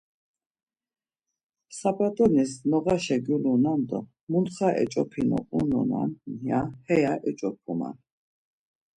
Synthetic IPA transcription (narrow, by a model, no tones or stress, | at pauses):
sabat̪ʼɔnisnɔɣaʃɛɡulunand̪ɔ | munχaʔɛ̰t͡ʃʼɔpʰinɔ̰ʔʼunɔna̰njahɛjaʔɛt͡ʃʼɔpʰuma̰n